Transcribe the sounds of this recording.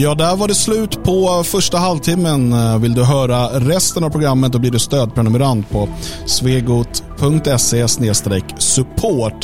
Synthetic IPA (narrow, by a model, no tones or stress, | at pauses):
jɑːd̪æɾvaɖɛslʉ̟ːt̪pʰɔfœʂʈaɦalvt̪ʰɪmːənvɪld̪ɵɦœːɾaɾɛst̪ənavpʰɾʊɡɾamːət̪̚d̪ɔb̪liːɖɵst̪øːd̪̚pʰɾɛnɵmɛɾand̪pʰɔsveːɡuːt̪pʰɵŋk̚t̪ɛseːsneːst̪ɾɛksɵpʰoːʈ